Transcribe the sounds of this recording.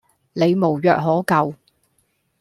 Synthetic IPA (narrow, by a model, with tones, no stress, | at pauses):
le˨˧jmo˨˩wjœː˨k̚ɦɔː˨˥kɐ˨w